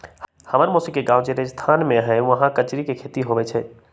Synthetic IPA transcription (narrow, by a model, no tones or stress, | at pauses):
həməɾmosikːeɡaːʊd͡ʒeɾed͡ʒst̪ʰaːnmẽɦɛ̃ʋəɦãkət͡ʃɾikekʰeːt̪iɦoʋɛt͡ʃʰɛ